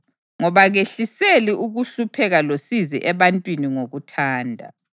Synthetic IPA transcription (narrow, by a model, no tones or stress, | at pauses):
ŋɔβaɣeɬiseliʔuɣuɬupʰɛɣalosizḭʔɛβantʼwiniŋoɣutʰaːndʱa̰